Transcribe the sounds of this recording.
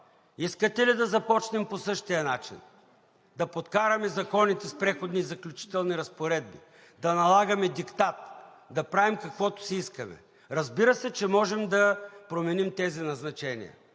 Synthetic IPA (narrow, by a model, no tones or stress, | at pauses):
iskət̪ɛlid̪ɐzɐpɔt͡ʃnɛmposɤʃt̪ijɐnat͡ʃḭn | d̪ɐpot̪kaɾɐmɛzɐkɔnit̪ɛspɾɛxod̪nizɐklʲʊt͡ʃi̥t̪ɛlˠniɾɐspoɾɛd̪̚bḭ | d̪ɐnɐlˠaɡɐmɛd̪ikt̪at̪ | d̪ɐpɾavimkɐkvɔt̪ʊ̥sɛiskəmɛ̰ | ɾɐzbiɾəsɛt͡ʃɛmɔʒɛmd̪ɐpɾomɛnimt̪ɛzinɐznɐt͡ʃɛnḭɐ̰